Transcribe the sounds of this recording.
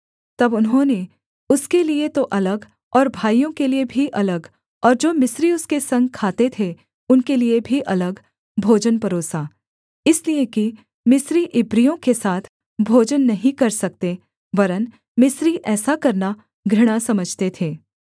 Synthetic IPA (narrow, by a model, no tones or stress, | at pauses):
t̪ɐbʊnɦõːne | ʊskeliet̪oʔɐləɡ | ɔːɾbʱaːijõkeliebʱiʔɐləɡ | ɔːɾd͡ʒoːmɪsɾiʊskesɐ̃ŋɡ̚kʰaːt̪et̪ʰe | ʊnkeliebʱiʔɐləɡ | bʱoːd͡ʒənpɐɾoːsa | ɪslieki | mɪsɾiʔɪbɾijõkesaːt̪ʰ | bʱoːd͡ʒənːɐɦĩkɐɾsɐk̚t̪e | ʋɐɾən | mɪsɾiʔɛːsakɐɾna | ɡʱɾɪɽ̃asɐməd͡ʒʱt̪et̪ʰeː